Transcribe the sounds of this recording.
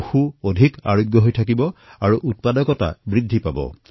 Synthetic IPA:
xuodʱika̰ɹoɡjɔɦojtʰakibɔaɹuʔut̚padɔkɔta̰bɹidʱːipabɔ̰

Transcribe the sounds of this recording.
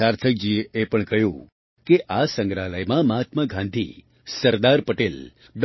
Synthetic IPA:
aɾt̪ʰək̚d͡ʒiepəɳkəɦjũ | keʔasə̃ŋɡɾaləjmãmat̪məɡʱãnd̪ʱḭ | səɾd̪aɾpəʈel | ɖ

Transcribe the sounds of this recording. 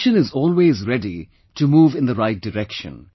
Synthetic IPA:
ʃə̃nɪzɔːlweːzɾɛɖi | ʈumuːvɪ̃nd̪əɾaɪt̚d̥ɨɾɛkʃə̰̃n

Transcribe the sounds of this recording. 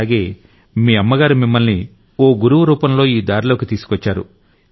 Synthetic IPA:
ɡe̞ː | miːɐmːɐɡaːɾumimːɐlni | o̞ːɡuɾuʋuɾuːpɐmlo̞ːiːd̪aːɾilo̞ːkit̪iːsu̥kʋɔt͡ʃːaːɾṵ

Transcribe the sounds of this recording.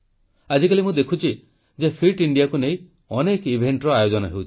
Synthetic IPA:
ad͡ʒikalimũd̪ekʰut͡ʃʰi | d͡ʒepʰiʈiɳɖijakunej | ɔnekibʱeɳʈɾɔajod͡ʒɔnɔɦewt͡ʃʰi̥

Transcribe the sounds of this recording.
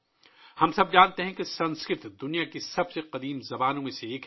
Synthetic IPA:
hɐmsɐb̚d͡ʒaːnt̪eɦɛ̃kesɐ̃nskɾɪt̪d̪ʊnijakisɐbseqɐd̪iːmzɐbaːnõmẽseeːk

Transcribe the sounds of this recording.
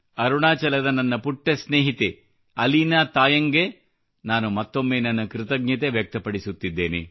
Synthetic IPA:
ɐɾuɳaːt͡ʃɐlɐd̪ɐnɐnːɐpuʈːesneːɦit̪e | ɐlinɐt̪aːjɐŋɡe | naːnumɐt̪ːo̞mːeːnɐnːɐkɾɪt̪ɐɡɲɐt̪e̞ʋjɐk̚t̪ɐpɐɽisut̪ːid̪ːe̞ːnḛ

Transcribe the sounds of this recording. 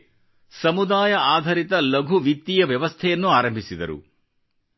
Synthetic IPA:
sɐmud̪aːjɐaːd̪ʱɐɾit̪ɐlɐɡʱuʋit̪ːijɐʋjɐʋɐst̪ʰɛjɐnːuaːɾɐmbʱisid̪ɐɾṵ

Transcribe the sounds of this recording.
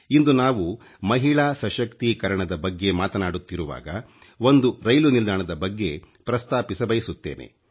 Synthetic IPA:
ind̪unaːʋu | mɐɦiɭaːsɐʃɐkt̪ikɐɾɐɳɐd̪ɐbɐɡːe̞maːt̪ɐnaːɽut̪ːiɾuʋa̰ːɡɐ | o̞nd̪uɾɐjlunild̪ʱaːɳɐd̪ɐbɐɡːe̞ | pɾɐst̪aːpisɐbɐjisut̪ːeːnʔḛ

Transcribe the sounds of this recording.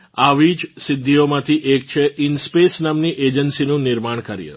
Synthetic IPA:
aʋid͡ʒsɪd̪ʱːiomãt̪ʰiʔek̚t͡ʃʰeʔɪnspesnamniʔed͡ʒənsinũnɪɾmaɳ̃kəɾjə̰

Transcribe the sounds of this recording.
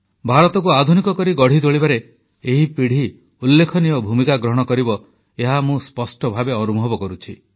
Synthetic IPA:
bʱaɾɔt̪ɔk̬uad̪ʱunikɔkɔɾiɡɔɽ̤id̪oɭibaɾe | eɦipiɽ̤i | ulːekʰɔniɔbʱumikaɡɾɔɦɔɽ̃ɔkɔɾibɔ | eɦamũspɔsʈɔbʱabeɔnubʱɔbɔkɔɾut͡ʃʰi

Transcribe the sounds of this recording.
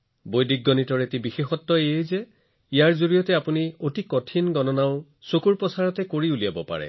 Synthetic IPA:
bojdik̚ɡɔnitɔɹetibixexɔtːɔejejzɛ | ijaɹzoɹijɔtɛapuniotikɔtʰinɡɔnɔnaʊ | sokuɹpɔsaɹɔtɛkoɹiulijabɔpa̰ɹɛ̰

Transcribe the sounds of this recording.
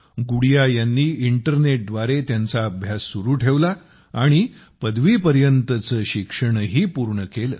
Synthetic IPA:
ɡuɽjajanːiːʔiɳʈəɾneʈ̚d̪ʋaɾet̪jant͡saəbʱjasːuɾuːʈʰeʋla | aɽ̃i | pəd̪ʋiːpəɾjənt̪ət͡səːɕikʂəɽ̃ɦiːpuɾɳəkelə

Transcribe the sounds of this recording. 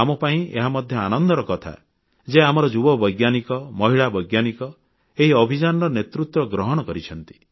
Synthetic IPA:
amɔpaĩeɦamɔd̪ʱjɔanɔnd̪ʱɔɾɔkɔt̪ʰa̰ | d͡ʒeamɔɾɔd͡ʒubɔbɔjɡjanikɔmɔɦiɭabɔjɡjanikɔ | eɦiɔbʱid͡ʒanɔɾɔnet̪ɾut̪wɔɡɾɔɦɔɽ̃ɔkɔɾit͡ʃʰɔnt̪i̥

